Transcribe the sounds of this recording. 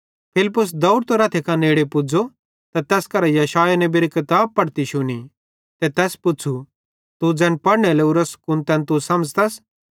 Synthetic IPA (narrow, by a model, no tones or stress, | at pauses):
pʰɪlɪpːʊs̬d̪ɐʊɽt̪oɾaːt̪ʰekaneːɽepʊd͡zo | t̪ɐt̪ɛːskɐɾɛjɐʃaːjanɛ̃beːɾikɪt̪aːb̚pɐɽt̪iʃʊni | t̪ɛt̪ɛːspʊt͡sʰu | t̪ud͡zɛ̃ːnpɐɽnɛleuɾəskʊnt̪ɛ̃ːnt̪̬usɐməd͡zt̪ɐs